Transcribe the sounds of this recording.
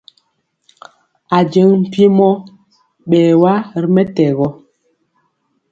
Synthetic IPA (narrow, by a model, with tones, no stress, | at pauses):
a˨d͡ʒə˨˦ŋm̩˨pi˦mɔ˦ | ɓɛː˨wa˦˨ɾmɛ˦tɛ˨ɣɔ˦